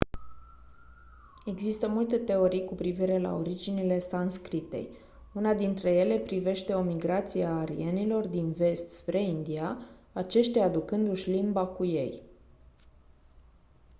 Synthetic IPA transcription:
e̞ɡzist̪əmult̪e̞t̪e̞o̞ɾijkupɾiviɾe̞la̰o̞̰ɾid͡ʒinile̞st̪anskɾit̪e̞̰j | unad̪int̪ɾe̞je̞le̞pɾive̞ʃt̪e̞o̞miɡɾat̪sieːɾḭenilo̞rd̪inve̞st̪spɾe̞ind̪iaat͡ʃe̞ʃt̪ʲaad̪ukɨnd̪uʃʲlimbakuje̞̰j

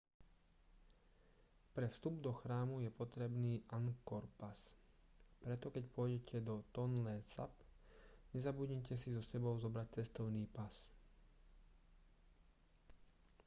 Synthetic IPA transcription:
pɾɛfst̪ubd̪ɔxɾaːmujɛpɔt̪ɾɛbniːʔaŋkɔɾpas | pɾɛt̪ɔkɛcpʊɔjɟɛcʰɛd̪ɔt̪ɔnlɛːsa̰pɲɛzabuɟɲɛcɛsizɔsɛbɔʊzɔbɾac̚t͡sɛst̪ɔʊniːpas

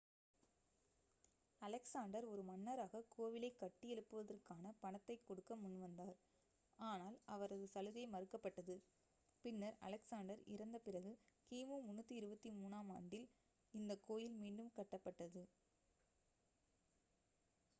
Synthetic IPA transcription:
ɐlɛksaːɳɖɐɾɔɾɯmɐnːɐɾaːɣɐkoːʋɪlɐɪkːɐʈːɪjɛɭɯpːɯʋɐðɐrkaːnɐpɐɳɐt̪ːɐɪkːɔɽɯkːɐmʊɳʋɐnd̪aːɾ | aːnaːlɐʋɐɾɐðɯsɐlɯðɐɪmɐɾɯkːɐpːɐʈːɐðɯ | pɪnːɐɾɐ̰lɛksaːɳɖɐɾɪ̰ɾɐnd̪ɐpɪrɐɣɯkiːmoːmʊnːɯt̪ːɯɪɾɯbɐt̪ːimuːnaːmaːɳɖɪl | ɪnd̪ɐkːoːjɪlmiːɳɖɯmkɐʈːɐpːɐʈːɐðɯ

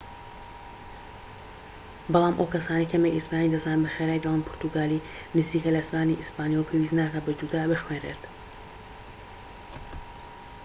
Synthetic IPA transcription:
bɑlˠaːmʔowkɐsaːnejkʰɐmejʔispaːnid̪ɐzaːnnbɐxeɾaːjd̪ɐlanpʰʊɾt̪uɡaːli | nɨziːkɐlɐsbaːniʔispaːnijwowpʰewiznaːkabɐd͡ʒud̪aːbɨxwenrḛɾt̪

